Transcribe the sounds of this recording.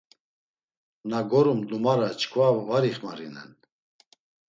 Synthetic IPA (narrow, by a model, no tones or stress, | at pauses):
naɡɔɾumd̪umaɾat͡ʃʰkʰvavaɾiχmaɾinɛ̰n